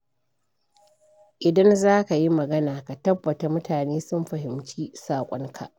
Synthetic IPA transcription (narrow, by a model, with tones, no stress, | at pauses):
ʔɪ˨dɐ˦nzaː˦ka˨ji˦mɐ˨ɡɐ˦naː˨ka˨tɐ˦bːɐ˨ta˨mʊ˦taː˨neː˦sʊ˦mɸɐ˨ɦɪ˨mt͡ʃiː˦saː˨kʷʼɔ˦ŋkʰa˨ʔ